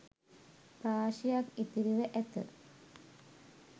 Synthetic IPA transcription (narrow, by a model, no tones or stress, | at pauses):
pɾaːʃijakit̪iɾiʋəʔɛt̪ə̰